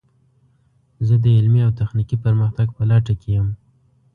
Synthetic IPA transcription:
zəd̪əɪlmiawt̪axnikipəɾməxt̪aɡpəlaʈakʰejəm

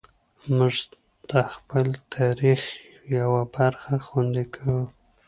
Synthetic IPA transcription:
mʊʒ | d̪̥əxpəlt̪ʰaɾix | jawabaɾxaxwand̪ikʰawu

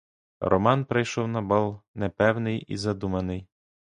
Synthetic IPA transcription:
rʔɔ̰mɑnpɾɪjʃɔwnɐbɑlˠnɛpɛwnɪjḭzɐd̪umɐnɪj

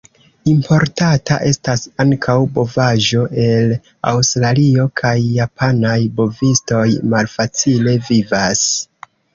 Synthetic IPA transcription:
impo̞ɾtata̰ʔe̞stasaŋkʰawbo̞vaʒo̞ʔe̞l | a̰wstɾalio̞kʰajːapanajbo̞visto̞jmalfat͡sile̞vivas

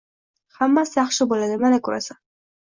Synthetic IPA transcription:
hamːasjɑχʃɪbolad̪ɪmanakʰɵɾa̰sḁ

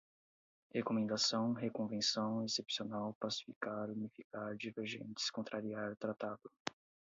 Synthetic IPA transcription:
hekomẽnd̪asɐ̃w̃ɦekõvẽsɐ̃w̃esepsionawpasi̥fikaɾunifikaɾd͡ʒiveɾʒḛ̃nt͡ʃ̪ɪ̥skõnt̪ɾaɾiaɾt̪ɾat̪ad̪ʊ

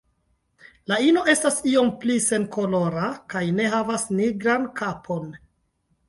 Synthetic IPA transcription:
laino̞ʔe̞stasio̞mplise̞nko̞lo̞ɾakajne̞ɦavasniɡɾankapʰo̞n

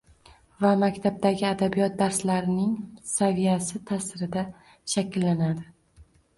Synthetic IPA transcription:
vamakʲt̪ʰab̚d̪aɡʲɪad̪abijɒt̪̚d̪aɾslaɾɪnɪŋsavijasɪt̪ʰasɪɾɪd̪a | ʃakʲʰɪlːanad̪ɪ

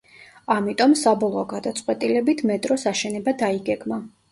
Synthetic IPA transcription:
amit̪ʼɔmsabɔlˠɔːɡad̪at̪sʼqʼwɛt̪ʼilɛbit̪ʰmɛt̪ʼɾɔsaʃɛnɛbad̪aiɡɛɡma

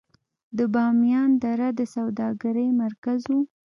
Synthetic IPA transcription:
d̪əbɑmjɑnd̪aɾad̪əsawd̪ɑɡaɾəjmaɾkazu

